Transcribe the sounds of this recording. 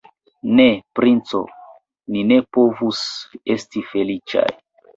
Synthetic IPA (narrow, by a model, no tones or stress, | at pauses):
ne̞pɾint͡so̰ | nine̞po̞vuse̞stife̞lit͡ʃa̰j